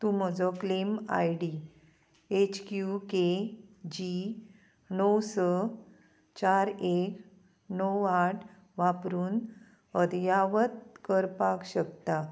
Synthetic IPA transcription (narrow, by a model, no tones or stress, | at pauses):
t̪uməd͡zɔklema̰jɽi | et͡ɕkjuked͡ʑi | nəwsə | t͡ɕaɾek | nɔwaʈʰ | ʋapɾuːn | əd̪jaʋət̪̚kəɾpakɕəkt̪a